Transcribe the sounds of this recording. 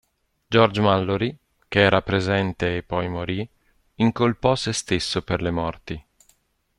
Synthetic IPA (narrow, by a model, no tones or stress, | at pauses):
d͡ʒɔrd͡ʒmalːoɾi | keɛːɾʔapɾezɛnt̪eːpːɔjmoɾi | iŋkolpɔsest̪esːoperlemɔrt̪i